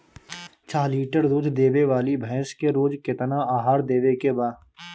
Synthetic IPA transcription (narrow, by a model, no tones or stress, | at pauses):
t͡ʃʰaːliːʈəɾd̪uːd̪ʰd̪eːʋeʋaːlibʱɛ̃ːskeɾoːd͡ʒkɪt̪naaːɦaːɾd̪eːʋekebaːd